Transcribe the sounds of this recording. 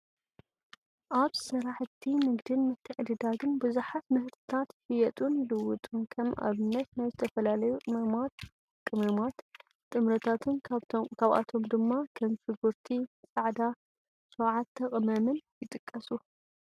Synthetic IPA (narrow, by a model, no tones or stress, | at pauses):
ʔaβsɨɾaħt̪ʰːimɨɡd̪ɨnmɨt̪ʰːɨʕɨd̪ɨd̪aɡɨnbɨzuħat̪mɨhɨɾt̪ʰɨ̥t̪ʰat̪hɨjɐt̪ʼunjɪd̪ɐwːʊt̪ʼunkʰɐmʔa̰βɨnːɐt̪najzɨt̪ʰɐfɐlalɐjuɐa | kʼɨmɐmat̪ | t̪ʼɨmɾɐt̪ʰat̪ʰɨnkʰaβa̰t̪ʰomd̪ɨmːakʰɐmfɨɡuɾt̪ʰisʼaʕd̪a | sowʕat̪ʰːɐkʼmɐmɨnjɪt̪ʼɨkʼːɐsu